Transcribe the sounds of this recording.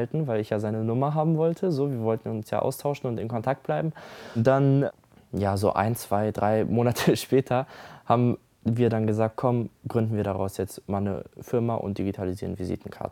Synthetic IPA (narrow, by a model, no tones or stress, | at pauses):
altn̩vaɪlɪçjaːzaɪnənʊmɐɦaːbm̩vɔltʰəzoːviːɐvɔltn̩ʊnsja̰ːʔa̰ʊstʰaʊʃn̩ʊntɪnkʰɔntʰak̚t̚b̥laɪbm̩d̥an | jaːzo̰ːʔa̰ɪnt͡sv̥aɪdʁaɪmoːnatʰəʃpɛːtʰɐhaːbm̩ | viːɐɾanɡəzaːk̚t̚kʰɔmɡ̥ʁʏndn̩viːɐdaʁa̰ʊsjɛt͡stmaːlnə̰fɪɐmaʔʊ̰nt̚d̥iɡitʰaliziːɐnvizḭːtn̩kʰa̰ɐtə̥